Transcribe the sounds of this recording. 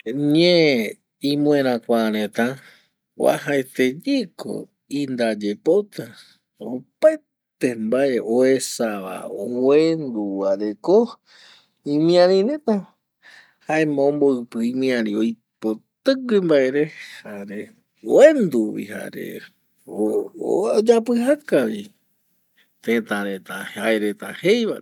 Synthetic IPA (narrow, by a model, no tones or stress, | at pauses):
ɲẽ | ĩmũẽɾ̃ãkʷaɾẽt̪ã | wa̰haet̪ed͡ʒiko̰ | ind̪ad͡ʒepot̪a | o̰paj | t̪embaeʔoesaβa̰owend̪uwaɾe̞ko | ĩmĩãɾĩɾẽt̪ã | haemãõmboɨpɨimĩãɾĩoj | pot̪ɨimbae̞ɾe̞haɾe | oend̪uwḭha̰ɾḛ | o | d͡ʒapɨhakaβi | t̪ẽt̪ãɾet̪aaeɾet̪ahejβa